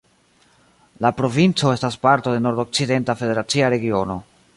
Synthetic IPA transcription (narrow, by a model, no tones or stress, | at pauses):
lapɾo̞vint͡so̞e̞staspaɾto̞de̞no̞ɾdok̚t͡side̞ntafe̞de̞ɾat͡siaɾe̞ɡio̞no̞